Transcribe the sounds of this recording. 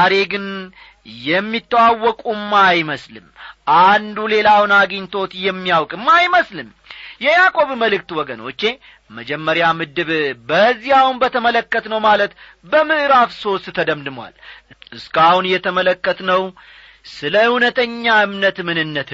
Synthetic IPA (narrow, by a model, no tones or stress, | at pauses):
aɾe̞ɡɨn | jɛmːit̪ːəwawːɔkʼumːajməslɨ̰mʔand̪ule̞lawɨnaɡiɲt̪ʰo̞t̪jɛmːijawkʼɨmːajməslɨm | jɛjakʼo̞βməlɨk̚t̪wɔɡəno̞̰t͡ʃːe̞ | məd͡ʒɛmːəɾjamɨd̪ɨβbəzːihawunbət̪ʰəmələkːət̪nəwmalət̪ | bəmɨʔɨɾafso̞st̪t̪ʰəd̪əmd̪ɨmwa̰lɨskahunjɛt̪ʰəmələkːət̪nəw | sɨləhunət̪ʰəɲːaɨmnət̪mɨnɨnːət̪